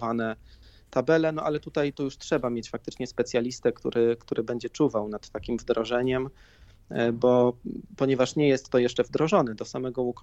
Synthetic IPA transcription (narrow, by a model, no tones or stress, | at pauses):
vanɛt̪abɛlɛnɔʔalɛt̪ut̪ajt̪ɔjuʂtʂɛbamʲjet͡ɕfak̚t̪ɘt͡ʂɲɛspɛt̪sʲjalʲist̪ɛkt̪ṵɾʔɘkt̪uɾʔɘbɛɲd͡ʑɛt͡ʂuvawnat̪ːakʲimvd̪ɾɔʐɛɲɛm | bɔpɔɲɛvaʂɲɛjɛst̪ːɔjɛʂt͡ʂɛvd̪ɾɔʐɔnɛd̪ɔsamɛɡɔuk